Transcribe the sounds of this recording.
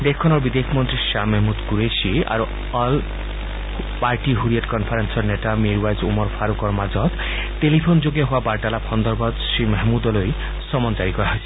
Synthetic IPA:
d̪ekʰːɔnɔɾbid̪ekʰmɔnt̪ɾiʃamɛɦmud̪kuɾesia̰ɾu | ɔl | paɾʈiɦuɾieʈkɔnpʰaɾensɔɾneʈamiɾwajzumɔɾpʰaɾukɔɾmad͡ʒɔt̪ | telipʰond͡ʒoɡjɔɦoabaɾʈalapʰɔnd̪ɔɾbɔd̪simɛɦmud̪ɔloj | sɔmɔnt͡ʃaɾikɔɾaɦɔjsʰi̥

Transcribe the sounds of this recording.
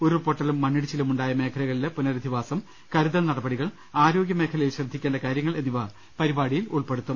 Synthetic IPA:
oɾupoʈːɐlumːɐɳːiɽit͡ɕilɐmuɳɖaːjɐme̞ːkʰɐlɐɣɐɭilepunɐɾɐd̪ʱiʋaːsɐm | kɐɾuðɐnɐɽɐbɐɽiɣɐɭ | aːɾo̞ːɡjɐmeːkʰɐlɐjiɕrɐd̪ʱːikʲːeaːɳɖɐkaːɾjɐŋːɐɭe̞nːiʋɐ | pɐɾibaːɽijiluɭpeɽut̪ːum

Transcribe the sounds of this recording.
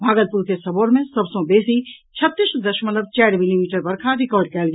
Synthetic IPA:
bʱaːɡəlpuɾkesɐboːɾmẽsɐbsõbeːsi | t͡ʃʰət̪ːɪsd̪əʃmət̪əb̚t͡ʃɛːɾmɪlimiːʈəɾbɐɾkʰaɾɪkɔːɾɖ̚kɛːlɡ

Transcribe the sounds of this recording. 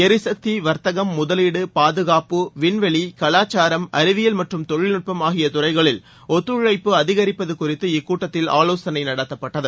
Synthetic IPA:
ɛɾɯsɐk̚t̪iʋɐɾt̪ɐɣɐmːʊðɐliːɽɯpaːðɯɣaːpɯʋɪɳʋɐɭikɐɭaːt͡ʃːaːɾɐmɐɾɪʋɪjɐlmɐʈrɯmt̪ɔɻɪlnɪʈ̚pɐmaːɣɪjɐt̪ʊrɐɪɣɐɭɪl | ɔt̪ːɯɻɐɪpːɯɐðɪɣɐɾɪpːɐðɯkʊrɪt̪ːɯɪkːuːʈːɐt̪ːɪla̰ːloːsɐnɐɪnɐɽɐt̪ːɐpːɐʈːɐðɯ

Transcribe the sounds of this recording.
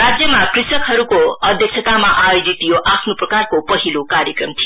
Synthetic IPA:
ɾad͡ʒjəmakɾɪsəkɦəɾukoəd̪ʱjəkt͡ʃʰət̪amãʔajod͡ʒit̪ijoʔapʰnupɾəkaɾkopʌɦilokaɾjəkɾəmt̪ʰije

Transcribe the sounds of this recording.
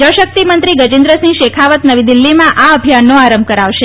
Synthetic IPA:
d͡ʒəʋʃək̚t̪imənt̪ɾiɡəd͡ʒɪnd̪ɾəsĩʃekʰaʋət̪nəʋid̪ɪlːimãʔaəbʱijanːoaɾəmb̚ʱkəɾaʋʃe

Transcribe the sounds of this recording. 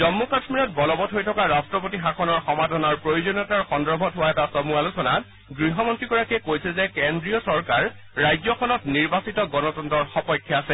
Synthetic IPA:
zɔmːukasmiɹɔt̚bɔlɔbɔtɦojtʰɔkaɹastɹɔpotixakʰɔnɔɹxɔmadʱɔnɔɹpɹojud͡ʒɔnɔtaɹxɔndɔɹbʱɔtɦʊwaɛtasɔmualusɔnat | ɡɹiɦɔmɔntɹiɡɔɹakɛkojsɛzɛkendɹiɔsɔɹkaɹː | ajzjɔkʰɔnɔtniɹbasitɔɡɔnɔtɔntɔɹxɔpɔjkʰːjaasɛ

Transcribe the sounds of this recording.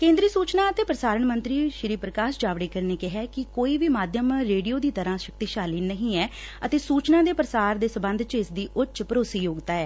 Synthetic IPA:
kẽːnd̪ɾiːsuːt͡ʃnãːət̪eːpɾəsaːɾəɳmənt̪ɾiːʃɪɾiːpɾəkaːʃd͡ʒaːʋɽeːkəɾneːkɪɦɛːkɪkoːiːʋiːmaːd̪ʱjəmɾeːɖijoːd̪iːt̪əɾãːʃək̚t̪iːʃaːliːnəɦĩːɛːət̪eːsuːt͡ʃnãːd̪eːpɾəsaːɾd̪eːsəbə̃nd̪ʱt͡ʃɪsd̪iːʔʊtːt͡ʃpəɾoːsiːjoːɡt̪aːɛː

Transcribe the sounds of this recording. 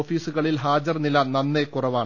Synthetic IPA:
ofiːsuɣɐɭilɦaːd͡ʑɐrnilɐnɐnːe̞kurɐʋaːɳ

